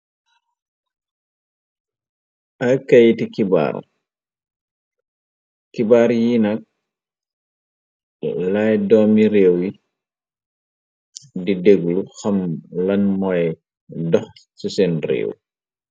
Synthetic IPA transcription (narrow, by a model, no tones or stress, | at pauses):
ʔɐkɐjtikiba̰ːɾ̰ | kibaːɾjinɐk̚ | lajdɔːmiɾeːwji | dideɡluxɐmlɐnmɔj | dɔxsisɛnrḛːw